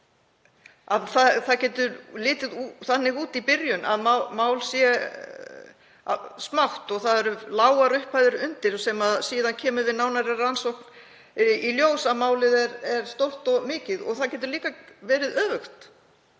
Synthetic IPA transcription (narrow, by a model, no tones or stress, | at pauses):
aðθaθaðcɛːt̪ʏɾlɪːt̪ɪðθanːɪɣuːt̪ipɪɾjʏnʔa̰ðmamaːwlsjɛ | smawht̪ɔɣθaðɛɾʏlaːwaɾʏhpajðʏɾʏnt̪ɪɾsɛmaðsiːðancʰɛːmʏvɪðnaːwnaɾarːansowkn | iljoːwsaðmaːwlɪðɛɾɛɾ̥st̪owr̥t̪ɔɣmɪːcɪðɔ̰ɣθaðcɛːt̪̬ʏɾliːkavɛːɾɪðœːvʏxt̪